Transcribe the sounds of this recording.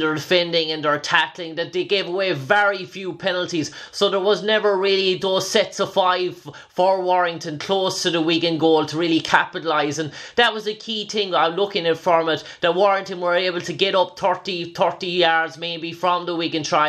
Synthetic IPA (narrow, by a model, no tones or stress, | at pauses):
də˞dɪfɛ̃ndɪ̃ŋə̃ndə˞tʰæklɪ̃ŋðət̪̚ðeɪɡeɪvəweɪvɛɹifjuːpʰɛnl̩ˠtiz̥soʊðə˞wʌznɛvə˞ɹɪːliðoːz̥sɛtsəfaɪv̥ | fə˞wɔɹɪ̃ŋtə̃nkʰl̥oːstʰəðəwikɨ̃nɡoːlˠtʰəɹɪlikʰæpəɾəlaɪzə̃nðət̚wʌzəkʰiːtʰɪ̃ŋaɪlʊkɪ̃ŋɪtfɹəmɪtðət̚wɔʃɪ̃ŋtə̃nwə˞eɪbəlˠtʰəɡɛɾʌp̚θʰɜ˞tiθʰɜ˞tijaɹdzmeɪbifɹə̃mðəwikɨ̃ntʰɹ̥aɪ